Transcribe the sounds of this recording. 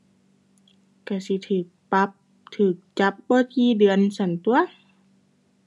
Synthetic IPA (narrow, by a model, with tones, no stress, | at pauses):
ka˧˩si˧˦t̪ʰɯː˨˩k̚pa˧˦p̚ | t̪ʰɯː˨˩k̚t͡ɕa˧˦˥p̚bɔː˧˦kiː˧dɯ˧˩ənsa˧˩˦nt̪u˧ɐ